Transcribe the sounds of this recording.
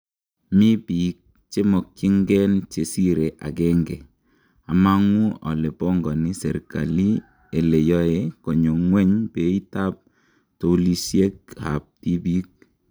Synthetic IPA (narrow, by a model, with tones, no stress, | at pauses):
mi˦pi˨k̚ | t͡ʃe˦mɔ˨k̚t͡ʃi˦ŋɡɛ˦nt͡ʃe˨si˦ɾe˨ʔa̰˨kɛ˦ŋɡɛ˨ | a˨ma˦ŋu˦a̰˨le˨pɔ˦ŋɡɔ˨ni˦sɛ̰˨ɾka̰˨li˦ | e˨le˨jɔ˦e˨kɔ˨ɲo˨ŋwɛ˦ɲpe˨i˦ta˦p̚ | to˨˦li˦sje˦k̚ha̰˨p̚ti˦bi˦k̚